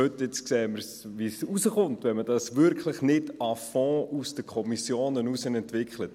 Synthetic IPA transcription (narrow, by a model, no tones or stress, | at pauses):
øtɪt͡skseːməɾsʋisusəχʊntʋɛnmədɑsʋʏɾkχləχnɪdɑfɔ̃ːʔusd̥əkʰɔmisjoːnənusənɛntʋɪkχlət